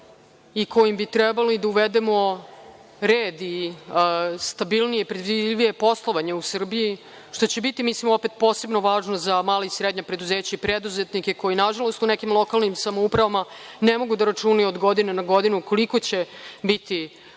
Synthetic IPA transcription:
ikʰo̞jimbit̪ɾɛbaloid̪auʋed̪e̞mo̞ | ɾeːd̪i | st̪abilnijepɾe̞d̪ʋidʋije̞po̞slˠoʋaɲeusr̩biji | ʂt̪o̞t͡ɕe̞bit̪imislimo̞pet̪̚po̞ːse̞bno̞ʋaːʒnozamaːleisɾed̪ɲapɾe̞d̪uzeːt͡ɕaipɾed̪uzet̪nikeko̞jinaʒalo̞st̪unekimlˠo̞kalˠnimsamoupɾaʋamanemo̞ɡud̪aɾat͡ʂuːnaod̪ɡo̞d̪inenaɡo̞d̪inuko̞liko̞t͡ɕe̞bit̪i

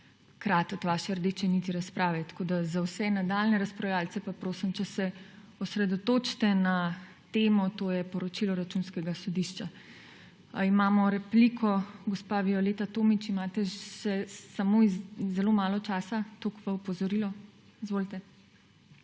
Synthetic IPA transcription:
kɾaːt̪ɔt̪ʋaːʃɛɾd̪eːt͡ʃɛnit̪iɾaspɾaːʋɛt̪koːd̪azawsɛnad̪alnɛɾaspɾawjaːlt͡s̪ɛpapɾoːsimt͡ʃɛsɛɔsɾɛd̪ɔt̪oːt͡ʃt̪ɛna | t̪eːmɔt̪oːjɛpɔɾɔt͡ʃilɔɾat͡ʃunskɛɡasɔd̪iʃt͡ʃa | imaːmɔɾɛpliːkʰɔɡɔspaʋiɔleːt̪at̪oːmit͡ʃimaːt̪ɛʃɛsamoizːɛlomaːlɔt͡ʃaːsat̪oːkʋaɔpɔzɔɾilɔ | izʋoːlt̪ɛ

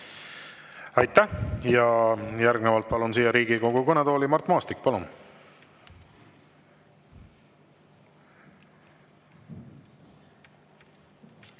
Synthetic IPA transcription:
ɑjt̪ˑːæhjɑjæɾɡnevɑlt̪̚pɑlunsiːjɑɾiːɡ̥iko̞ɡ̥ukɤnɛd̪o̞ːlimɑrt̪mɑːst̪ikːpɑlun

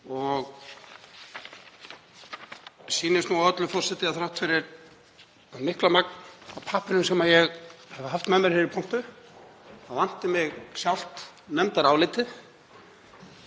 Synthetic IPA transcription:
ɔɣ | siːnɪst̪nuaœt̪lʏfɔr̥sɛt̪ɪaθɾawht̪fɪɾɪɾ | amɪhklamak̚napʰaːpɪnʏmsɛmajɛɣhɛvʏɦaft̪mɛnmːɪɾ̥hɪɾɪɾpʰɔn̥t̪ʏ | θaðvan̥t̪ɪmɪɣsjawl̥t̪ | nœmt̪aɾawlɪt̪ɪ

